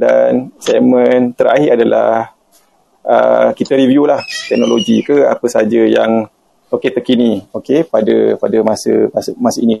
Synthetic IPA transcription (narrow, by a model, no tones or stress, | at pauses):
da̰nsɛmənt̪əɾa̰ɦiʔadala̰h | ə̰kit̪əɾivjulaht̪ɛk̚noloɡikəa̰pəsad͡ʒəjaŋ | oket̪əkiniokepadəpadəmasə̰masmasəini